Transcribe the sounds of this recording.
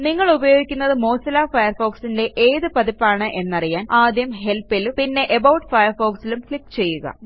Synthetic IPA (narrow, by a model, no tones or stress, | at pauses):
niŋːɐɭubɐjo̞ːɡikʲːunːɐðɨmo̞ːsɐlaːfɐjɐrfo̞ːksinde̞ʔeːðɨpɐðipːaːɳɨʔe̞nːɐrijaːnaːd̪ʱjɐmɦe̞lpːilupinːe̞ʔebɐwʈɨfɐjɐrfo̞ːksilumkɭikːt͡ɕe̞jːuɣɐ̰